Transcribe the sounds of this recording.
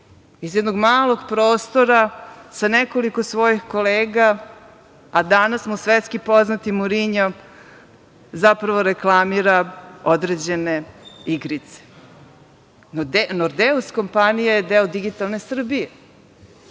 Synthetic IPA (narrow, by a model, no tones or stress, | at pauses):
izjɛd̪noɡmaːlo̞ɡpɾo̞ːst̪o̞ɾasaneko̞liko̞sʋo̞jixkoleːɡaː | d̪anasmusʋet̪skipo̞znat̪imuɾiɲom | zapɾaʋo̞ɾeklˠamiɾaod̪ɾed͡ʑe̞neiɡɾit̪se̥ | nd̪noɾd̪eusko̞mpanijajed̪eod̪iɡit̪alˠne̞sr̩bije